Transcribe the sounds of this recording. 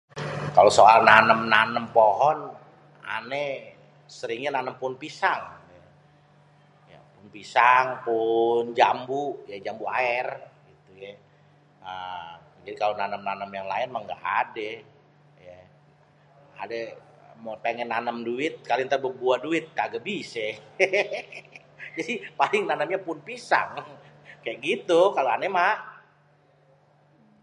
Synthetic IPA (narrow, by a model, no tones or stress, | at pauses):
kalosoalnanəmnanəmpoɦɔn | a̰nɛ | səɾɪŋɲananəmpʊnpisaŋ | ja̰pʊnpisaŋpʊnd͡ʒambujad͡ʒambuaɛrɡit̪ujɛ | ə | d͡ʒadikalonanəmnanəmjaŋlaɪnmaŋɡa̰ʔadɛ | ja | a̰dɛ | mopeŋɛnːanəmduɪt̪̚kalɪŋt̪ərbək̚buahduɪt̪̚kaɡabisɛ | d͡ʒadipalɪŋnanəmɲapʊnpisa̰ŋkajaʔɡit̪ukaloanɛmah